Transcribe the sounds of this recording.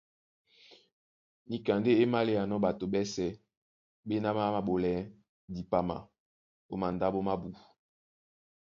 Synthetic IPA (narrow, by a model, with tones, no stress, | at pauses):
ni˨ka˨nde˦e˦ma˦le˦ja˨nɔ˦ba˨to˨bɛ˦sɛ˨ | be˦na˦ma˦ma˨bo˨lɛ˨˦ | di˨pa˨ma̰˨ | o˦ma˨nda˦bo˦ma˦bu˨